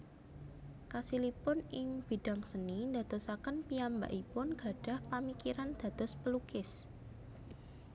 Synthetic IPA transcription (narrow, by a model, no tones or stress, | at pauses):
kasilipʊnɪŋb̥i̤ɖ̥a̤ŋsənind̪a̤d̪̥ɔsakənpiamba̰ʔipʊnɡ̥a̤ɖ̥a̤hpamikiɾand̪̥ä̤d̪̥ɔspəlukɪs